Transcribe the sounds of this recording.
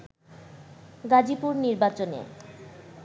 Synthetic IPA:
ɡad͡ʑipuɾniɾbat͡ɕonḛ

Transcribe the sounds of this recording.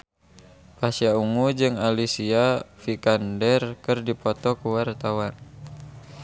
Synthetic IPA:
pasiauŋud͡ʒɨŋalisiafikandɛrkɨrdipɔt̪ɔkuwart̪awan

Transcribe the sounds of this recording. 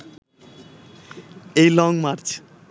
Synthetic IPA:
ejlɔŋmaɾt͡ɕ

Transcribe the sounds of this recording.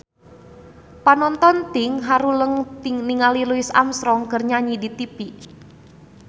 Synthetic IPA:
panɔnt̪ɔnt̪ɪŋɦaɾuləŋt̪ɪŋniŋaliluɪsa̰msɾɔŋkərɲaɲidit̪ipi

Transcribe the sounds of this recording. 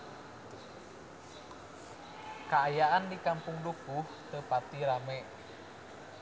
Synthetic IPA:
kaːjaʔandikampʊŋdukuht̪əpat̪iɾamɛʔ

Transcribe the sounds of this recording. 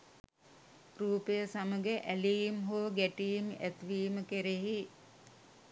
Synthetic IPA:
ruːpəjəsaməɡeʔælijmɦoːɡæʈijimæt̪ʋiːməkeɾeɦi

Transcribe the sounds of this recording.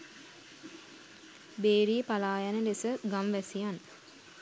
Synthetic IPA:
beːɾiəpalaːjanəlesəɡamʋɛsijan

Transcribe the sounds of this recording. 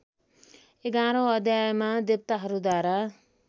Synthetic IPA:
eɡaɾʌ̃ʌd̪ʱjajemad̪ep̚t̪aɦʌɾud̪waɾa

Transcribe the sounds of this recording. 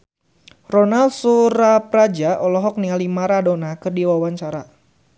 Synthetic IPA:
rɔnaldsuɾapɾad͡ʒaɔlɔɦɔk̚nialimaɾadɔnakɨrdiwawaɲt͡ʃaɾa

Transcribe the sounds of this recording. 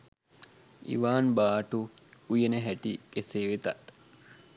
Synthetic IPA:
ḭʋaːnbaːʈuujenɐɦæʈikeseːʋet̪ɐ̰ʔ

